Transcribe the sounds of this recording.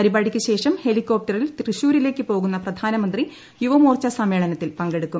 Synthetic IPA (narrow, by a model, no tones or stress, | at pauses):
pɐɾibaːɽikʲːɨɕe̞ːʂɐmhe̞likːo̞ːp̚ʈɐrilt̪rɨɕuːɾile̞ːkːɨpo̞ːɣunːɐprɐd̪ʱaːnɐmɐnd̪ri | juʋɐmoːrt͡ɕɐsɐme̞ːɭɐnɐt̪ːilpɐŋɡe̞ɽukːum